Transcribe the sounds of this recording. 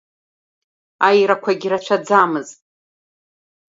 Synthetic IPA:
ajɾakʷʰaɡʲiɾat͡ʃʷʰad͡zamɨztʼ

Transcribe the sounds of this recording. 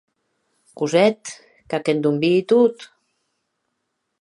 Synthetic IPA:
kuzɛt̪ | kakend̪umbiːt̪ut̪

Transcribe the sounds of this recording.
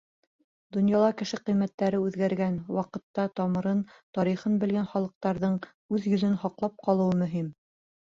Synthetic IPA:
d̪ŏnjɑlˠɑkɘ̆ʃɘqɤ̆jmæt̪ːæɾɘʉðɡæɾɡænwɑqɤ̆t̪ːɑt̪ɑmɤ̆ɾɤnt̪ɒɾiχɤnbɘ̆lɡænχɑlˠɤ̆q̚t̪ɑɾðɤɴ | ʉðjɵ̆zɵnhɑqlˠɑp̚qɑlˠɤ̆wɤmɵ̆ɦim

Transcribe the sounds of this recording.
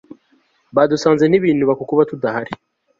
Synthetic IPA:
βadusaːnzen̥iβiːnuβakukuβatudahaɾi

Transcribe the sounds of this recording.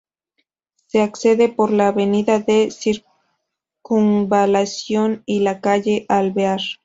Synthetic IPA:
se̞akse̞ðe̞po̞ɾlaːβe̞niðaðe̞siɾ | kuŋbalasjo̞nilakaʝe̞ʔalβeaɾ

